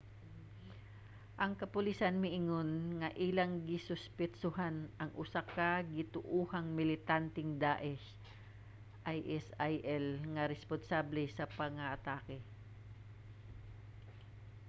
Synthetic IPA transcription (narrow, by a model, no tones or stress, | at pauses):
ʔɐŋkɐpʊlisɐnmɪʔɪŋonŋɐʔilɐŋɡɪsʊspɪt͡ʃʊhanʔɐŋʔʊsakaɡɪt̪ʊʔuːhɐŋmɪlɪt̪ant̪ɪŋd̪aːʔɛʃ | ʔajʔɛsajʔɛlŋɐɾɛsponsablɛsɐpɐŋɐʔɐt̪aːkɛ